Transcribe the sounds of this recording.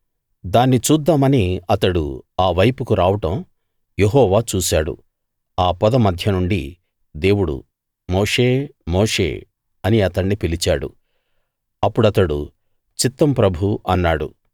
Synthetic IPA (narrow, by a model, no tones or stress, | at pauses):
d̪aːnːit͡ʃuːd̪ːaːmɐniɐt̪ɐɽṵaːʋɐjpukuɾaːʋɐʈɐm | jeɦɔːʋaːt͡ʃuːsaːɽṵ | aːpɐd̪ɐmɐd̪ʱjɐnuɳɖi | d̪e̞ːwuɽṵ | moːʂe̞ːmoːʂḛː | ɐniɐt̪ɐɳːipilit͡ʃaːɽṵ | ɐpːuɽɐt̪ɐɽṵ | t͡ʃit̪ːɐmpɾɐbʱuɐnːaːɽṵ